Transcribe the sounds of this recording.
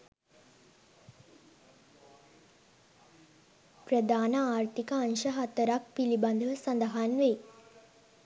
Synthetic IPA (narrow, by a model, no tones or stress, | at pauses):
prəd̪aːnəaːrt̪ikəanʃəɦat̪əɾak̚piliband̪ʱəʋəsɐnd̪əɦanʋej